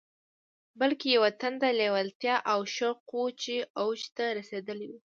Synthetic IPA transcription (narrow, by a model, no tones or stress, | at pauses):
bəlkejawat̪and̪alewalt̪jɑʔawʃəqot͡ʃeawt͡ʃt̪aɾased̪əlewu